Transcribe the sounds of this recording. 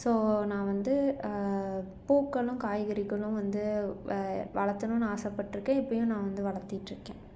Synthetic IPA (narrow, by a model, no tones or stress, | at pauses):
soːnãːʋɐnd̪ɯ | puːkːɐɭʊ̃kaːjɣɐɾɪɣɐɭʊ̃ʋɐnd̪ɯ | ʋɐɭɐt̪ːɐnʊ̃naːsɐpːɐʈːɪɾɯkːẽːɪpːɐjʊ̃nãːʋɐnd̪ɯʋɐɭɐɾt̪ːɪʈːɪɾɯkːẽː